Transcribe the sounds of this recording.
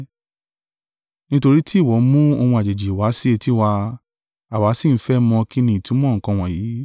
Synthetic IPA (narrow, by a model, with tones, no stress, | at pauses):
nĩ˦to˧ɾi˦ti˦˨wɔ˨˦mũ˦o˧mɔ̃˧a˨d͡ʒe˨d͡ʒi˨wa˨˦si˦e˧ti˦wa˧ | a˨wa˨˦si˦˨˦fɛ˦mɔ̃˧ki˦nĩ˧˦i˨tũ˨˦mɔ̃˦ŋ̩˨kɔ̃˧w̃ɔ̃˨jiː˨˦